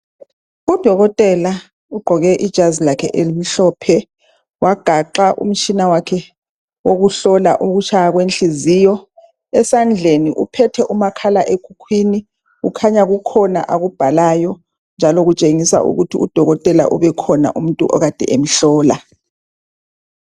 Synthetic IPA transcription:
ud̥ʱɔɣɔtʼɛla | uɡ͡ǃʱɔɣɛʔid̥ʒ̥ʱazilakʰɛʔelimiɬɔːpʰɛ | waɡ̥ʱaǃaʔṵm̩t͡ʃʰʼinawakʰɛ | woɣuɬɔla̰ʔuɣut͡ʃʰajaɣwent͡ɬizijɔ | ɛsand͡ɮʱeniʔṵpʰɛtʰɛʔumakʰalaʔekʰukʰwini | ukʰaɲaɣukʰɔna̰ʔaɣub̥ʱalaːjɔ | nd͡ʒʱaloɣut͡ʃʼeŋisa̰ʔṵɣutʰiud̥ʱɔɣɔtʼɛla̰ʔṵβɛkʰɔna̰ʔum̩ntʼṵʔɔ̰ɣad̥ʱɛ̰ʔemiɬɔːla̰

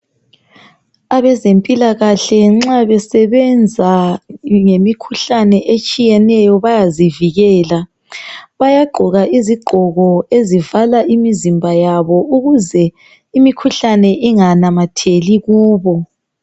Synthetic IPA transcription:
aβɛzempʼilaɣaɬɛŋ͡ǁaβɛsɛβɛnd͡zʱa | ŋemikʰuɬanɛʔet͡ʃʼijɛnɛjɔβajaziviɣɛːla | βajaɡ͡ǃʱɔɣaʔiziɡ͡ǃʱɔɣɔezivalaʔimizimbʱajaβɔuɣuzɛ | imikʰuɬanɛʔiŋanamatʰeliɣuːβɔ

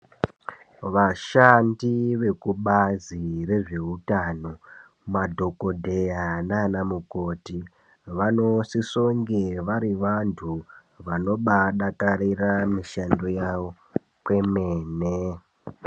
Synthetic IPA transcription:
ʋaʃandiʋe̞kuɓazire̞ʐeutano̞ | madʱo̞ko̞dʱejananamuko̞ti | ʋano̞sisoŋɡeʋaɾiʋantʰu | ʋano̞ɓaɗakaɾiramiʃando̞jaʋo̞ | kwe̞meːne

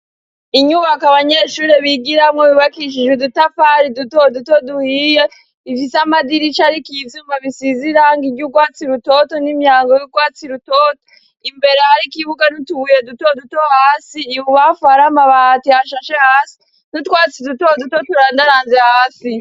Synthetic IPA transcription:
iɲuβakaβaɲeʃuːɾeβiɡiɾamŋoβiβakiʃ̬id͡ʒwedutafaɾidutodutoduhije | ifisamadiɾit͡ʃaɾikizzuːmbaβisiziɾaŋɡiɟuɡwaːt͡siɾutotonimjaːŋɡojuɡwaːt͡siɾutoto̥ | imbe̞ɾehaɾikiβuɡanutuβuje̞dutodutohaːsiːβuβafaɾamaβaatihaʃaʃehaːsi̥ | nutkwaːt͡sidutodutotoɾandaɾaːnzehaːsi

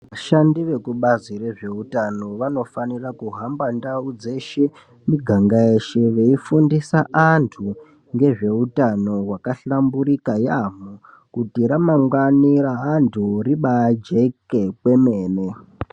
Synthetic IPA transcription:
ʋaʃandiʋe̞kuɓazire̞ʐe̞utano̞ʋano̞fanirakuɦambandaud͡ze̞ʃe̞ | miɡʱaŋɡaeʃeʋe̞ifundisaʔantʰu | ŋɡe̞ʐe̞utano̞ɦwakaɬambuɾikajamu | kutiɾamaŋɡaniraɦantʰuriɓad͡ʒe̞ke̞kwe̞me̞ːne

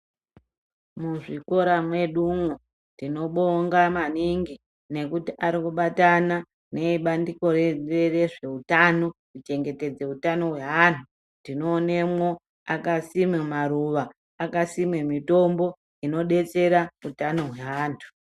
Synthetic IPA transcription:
muʐiko̞ɾamwe̞ɗumwo | ndino̞ɓoŋɡamaniŋɡi | ne̞kutiʔaɾikuɓatana | ne̞iɓandiko̞reere̞ʐe̞utano̞kut͡ʃe̞ŋɡe̞te̞d͡ze̞utano̞ɦwe̞ɦantʰu | ndino̞ːne̞mwo̞ | akasimemaɾuʋaː | kasimemito̞mbo̞ | ino̞ɗe̞t͡se̞ɾautano̞ɦwe̞aːntʰu̥

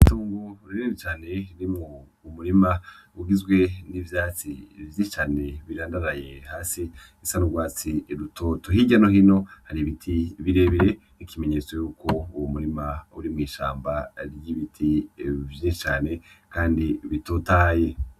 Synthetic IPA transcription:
ituːŋɡoɾiɾɾeɾit͡ʃaːne̞ɾimŋo | muɾimauɡizɡwe̞nivjaːt͡sḭvjit͡ʃaːne̞βiɾaːndaɾaje̞haːsi | isanuɡwaːt͡siɾutʰotuɦiɟanoɦino̞haɾiβitʰiβiɾe̞βiɾe | ikime̞ɲe̞ːt͡so̞juːkʰouwumuɾimauɾimŋiːʃa̰ːmbaɾɟiβitʰivjiʃit͡ʃaːne̞kaːndiβitotaːje̞

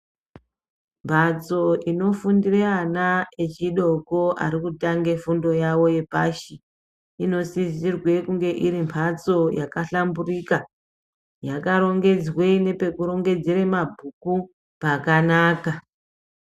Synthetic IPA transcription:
mpʰat͡so̞ʔino̞fundireanae̞t͡ʃiɗo̞ko̞ʔa̰ɾikutaŋɡe̞fundo̞jawo̞je̞paʃi | ino̞sizirwe̞kuŋɡe̞ʔiɾimpʰat͡so̞jakaɬamburika | jakaɾo̞ŋɡe̞d͡zwe̞ine̞pe̞kuɾo̞ŋɡe̞d͡zeɾemabʱuku | pakanaːka

